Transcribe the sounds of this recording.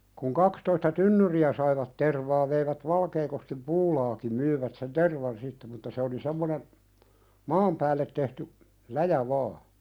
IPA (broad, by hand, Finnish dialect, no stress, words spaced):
kuŋ kɑkstoistɑ tynːyriæ sɑiʋɑt terʋɑː ʋeiʋæt ʋɑlkeːkoskim puːlɑːki myiʋæt sen terʋɑn sitːe mutːɑ se oli semːonen mɑːm pæːlːet tehty læjæ ʋɑː